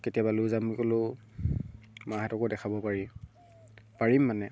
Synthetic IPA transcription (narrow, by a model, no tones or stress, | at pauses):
ketiabaluzamukolʊ | maɦɛtɔkɔdɛxʰabɔpaɹi | paɹimːanɛ